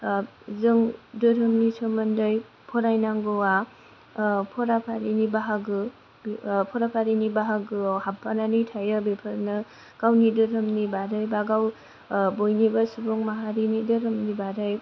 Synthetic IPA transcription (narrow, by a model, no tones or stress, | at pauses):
zɯŋdɯɾɦɯmnisʰɔmɯndɯj | pʰɔɾajnaŋɡɯwa | pʰɔɾapʰaɾinibaɦaɡɯ | bpʰɔɾapʰaɾinibaɦaɡɯhap̚ʰːananɯjtʰajɯbepʰaɾnɯ | ɡ̥awnidɯɾɯmnibaɾɯjbaɡaw | bojnibasubɔŋmaɦaɾinidɯɾɯmnibaɾɯj